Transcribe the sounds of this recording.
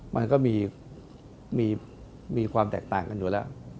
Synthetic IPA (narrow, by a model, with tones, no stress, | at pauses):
mʔa̰˧nkɔː˥˩miː˧ | miː˧ | miː˧kʰwaː˧mt̪ɛː˨˩k̚t̪aː˨˩ŋka˧njuː˨˩lɛː˦˥˩w